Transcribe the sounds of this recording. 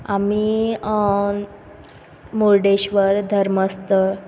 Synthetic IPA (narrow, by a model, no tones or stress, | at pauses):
ami | moɾɖeɕʋəɾd̪ʱəɾməst̪ə